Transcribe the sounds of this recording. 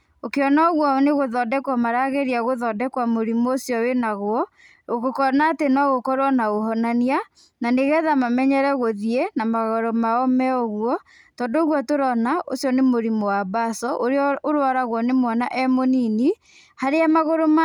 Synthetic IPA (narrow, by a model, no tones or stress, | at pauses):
okeɔnaɔɣwɔneɣoðɔdɛkwamaɾaɣeɾiaɣoðɔdɛkwamoɾimoosjɔwenaɣwɔ | okokɔnaːtenɔɣokɔɾwanaɣoɦɔnania | naneɣɛðamamɛɲɛɾɛɣoðienamaɣɔɾomaɔmɛɔɣwɔ | tɔːndoɣwɔtoɾɔnaʔo̰sjɔnemoɾimowabasɔʔoɾeɔoɾwaɾaɣwɔnemwɔnaʔɛmonini | haɾeamaɣoɾoma